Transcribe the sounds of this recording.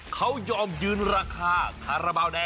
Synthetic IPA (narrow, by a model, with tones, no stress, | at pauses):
kʰa˦˥wjɔː˧mjɯː˧˥nɾaː˧kʰaː˧kʰaː˧˩ɾa˧baː˧˩wdɛː˧